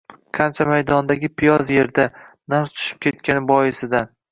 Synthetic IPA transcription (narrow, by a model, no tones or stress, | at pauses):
qʰɑnt͡ʃʰamajd̪ɒnd̪aɡʲɪpʰijɒzje̞ɾd̪anaɾt͡ʃ̪ʰʊ̥ʃɪ̥p̚kʲʰe̞t̪̚kʲanɪbɒjɪsɪd̪an